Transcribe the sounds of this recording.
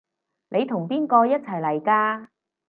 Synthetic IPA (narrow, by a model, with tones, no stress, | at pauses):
nʔe˨˧jt̪ʰʊ˨˩ŋpiː˥nkɔː˧jɐ˥t̚t͡sʰɐ˨˩jlɐ˨˩jkaː˧